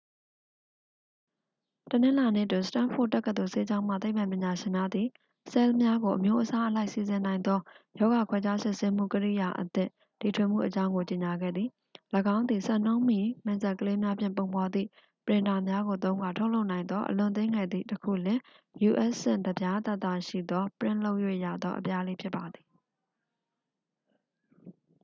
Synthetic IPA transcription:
tənɪ̃˦la˨nḛ˦˨twɪ̃˨sə̥tã˦˨fʰʊ̰˦˨ʔ̚tːɛ˦kːət̪o˨se˦d͡ʑã˦ʊ̃m̥a̰˦˨t̪e˦pʰːã˨mpjɪ̃˨ɲa˨ʃɪ̃˨na˦˨d̪ði˨ | sɛ˦lmja˦ɡo˨ʔəmjo˦ʔəsa˦ʔəla˦ɪʔsi˨zɪ̃˨nã˨ɪnd̪ɔ˦jɔ˦ɣa˨kʰwɛ˦t͡ɕa˦sɪ˦˨se˦m̥ṵ˦˨kəɹḭ˦˨ja˨ʔət̪ɪ̰̃˦˨ | ti˨tʰwɪ˦˨m̥ṵ˦˨ʔət͡ɕã˦ʊ̃ŋɡo˨t͡ɕe˨ɲa˨ɡɛ̰˦˨d̪ði˨ | ləɡã˦ʊ̃nd̪ði˨sɛ̃˦˨n̥õ˦ʊ̃mi˨mɪ̃˨nza˨kəle˦mja˦pʰjɪ̰̃˦˨mp̬õ˨mpɔ˨d̪ðḭ˦˨ | pəɹɪ̃˨nda˨mja˦ɣo˨t̪̬õ˦ʊ̃ŋɡa˨tʰo˦lo˦ʊʔnã˨ɪ̃nd̪ðɔ˦ʔə̰lʊ̰̃˨t̪̬ẽ˦ŋɡɛ˨d̪ðḭ˦˨təkʰṵ˦˨lɪ̃˨ | ju˨ʔɛ˦ʔssɪ̰̃˦˨nd̪əbja˦t̪a˦ʔt̪ːa̰˦˨ʃḭ˦˨d̪ɔ˦pəɹɪ̰̃˦˨lo˦ʊʔjwḛ˦˨ja̰˦˨d̪ɔ̰˦ʔəpja˦le˦pʰjɪ˦pːa˨d̪ði̥˨

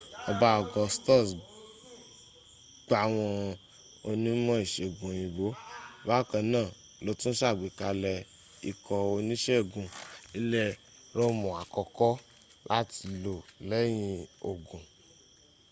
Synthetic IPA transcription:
ɔ˧ba˦ɔ˨ɡɔ̃˧stɔ˦˨s | ɡ͡ba˧˨w̃ɔ̃˧ | o˧nĩ˦mɔ̃˦i˦˨ʃe˨ɡũ˨j̃ĩ˧bo˨˦ba˦˨kã˧nãː˦˨ | lo˨˦tũ˦ʃa˦˨ɡ͡bi˨ka˧lɛ˧ | ḭ˧kʰɔ˧o˧nĩ˦ʃɛ˦˨ɡũ˨i˦lɛ˦ | ɾo˦mɔ̃˨a˨kɔ˧˨kɔ˦ | lʔa˦ti˧lo˨lɛ˨˦j̃ĩ˧o˨ɡũ˨

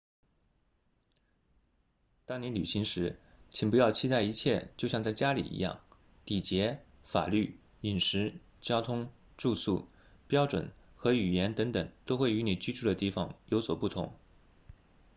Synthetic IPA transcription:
t̪ɑ˥ŋni˧˥nly˨˩ɕi˧˥ŋʂɻ̩˧˥ | t͡ɕʰi˨˩ŋpu˧˥jɑ˥˧ʊt͡ɕʰi˥t̪a˥˩ɪi˧˥t͡ɕʰjɛ̰˥˧t͡ɕjo˥˧ʊɕjɑ˥˧ŋt͡sa˥˩ɪt͡ɕja˥lḭ˨˩ʔḭ˧˥jɑ̰˥˩ŋ | t̪i˨˩t͡ɕjɛ˧˥ | fa̰˨˩ly̰˥˩ | i˨˩nʂɻ̩˧˥ | t͡ɕjɑ˥ʊt̪ʰʊ˥ŋ | ʈ͡ʂu˥˧sṵ˥˩ | pjɑ˥ʊʈ͡ʂwə̰˨˩˦n | xɤ˧˥y˨˩jɛ˧˥nt̪ɤ˧˥ŋt̪ə˨˩ŋt̪o˥ʊxwe˥˩ɪy˧˥ni˨˩t͡ɕy˥ʈ͡ʂʰu˥˩d̪ə˩t̪i˥˩fɑ˨˩ŋjo˧˥ʊswɔ˨˩pu˥˩t̪ʰʊ̰˧˥ŋ

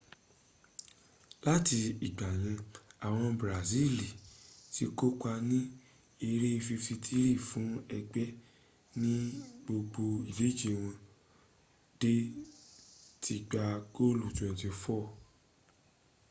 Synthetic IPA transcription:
la˦ti˧i˨ɡ͡ba˨j̃ĩ˨˧a˨w̃ɔ̃˧bɾa˨zi˦˨li˨ti˦ko˦k͡pa˧nĩ˦ | i˧ɾe˦i˧fi˧fi˧tʰi˦ɾi˦˨fũ˨˦ɛ˧ɡ͡bɛ˦ | nĩ˦ɡ͡bo˧ɡ͡bo˧i˨le˨˦d͡ʒe˦˨w̃ɔ̃˧ | d̥e˦ | tʰi˧ɡ͡ba˧ɡo˦lu˨tɔ̃˨ti˧fɔ˦˨

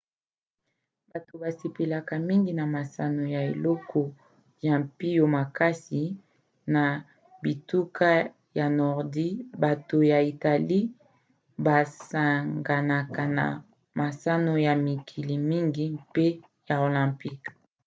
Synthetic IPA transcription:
ba˨to˨ba˨se˨pe˨la˨ka˨mi˦ŋɡi˨na˨ma˨sa˦no˨ja˨e˨lɔ˦kʰɔ˨ | ja˨mpi˦jo˨ma˨ka˦si˨ | na˨ | bi˨tu˦ka˦ | ja˨nɔ˨ʁdi˦ba˨to˨ja˨i˨ta˨li˦ | ba˨sa˨ŋɡa˨na˨ka˨na̰˨ | ma˨sa˦no˦ja˨mi˨kʰi˨li˨mi˦ŋɡi˦pe˦ | ja˨o˨lɛ̃˨mpi˦k

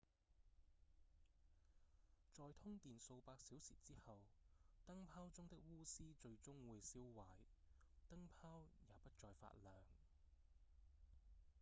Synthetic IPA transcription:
t͡ʃɔː˨jt̪ʰʊ˥ŋt̪iː˨nso˧wpaː˧k̚siː˨˥wsḭː˨˩t͡siː˥hɐ˨wt̪ɐ˥ŋpʰaː˥wt͡sʊ˥ŋt̪ɪ˥k̚wuː˥siː˥t͡ʃɵ˧ɥt͡sʊ˥ŋwuː˨˧jsiː˥wwɐː˨˩jt̪ɐ˥ŋpʰaː˥wjaː˨pɐ˥t̚t͡ʃɔː˧jfa̰ː˧˥t̚lœː˨˩ŋ

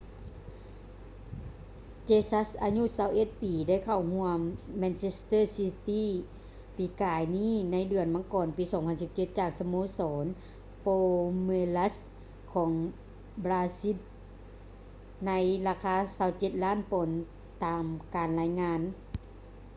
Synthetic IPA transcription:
t͡ɕeː˧sa˧˥sʔaː˧ɲu˧˥˨sa˧˩wʔe˧˩t̪̚piː˨˩da˥˨jkʰa˨˧˩wɦu˧əmːɛː˧nt͡ɕe˧˥st̪ɤː˥˨si˧t̪iː˥˩˨ | piː˨˦kaː˨˦jniː˥˨na˧˥jdɯ˨˩ənma˧˥˦ŋkɔː˨˩npiː˨˦sɔː˨˦ŋpʰa˧˨nsi˧˦p̚t͡ɕe˧t̪̚t͡ɕaː˨˩k̚sa˧moː˧˥sɔː˨˦n | poː˧me˧la˧˥s | kʰɔː˨˩˦ŋ | blaː˧si˧˥t̪̚ | na˧˥jlaː˧kʰaː˧˥˨saː˧˩wt͡ɕe˧˦t̪̚laː˥˨npo˨˦n | t̪aː˨mkaː˨nlaː˧˥jŋaː˧˥n

